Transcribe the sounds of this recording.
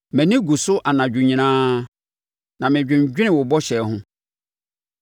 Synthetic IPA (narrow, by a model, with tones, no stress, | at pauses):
mɛ̃˨nĩ˦ɡu˨sʊ˦ʔa˨nã˨d͡ʑᶣu˨ɲĩ˨nãː˦ | nã˨mɪ̃˨d͡ʑᶣɪ̃˨ɲ˨d͡ʑᶣɪ˦nɪ̃˨wʊ˨bɔ˦ɕɛ˨hʊ̃˦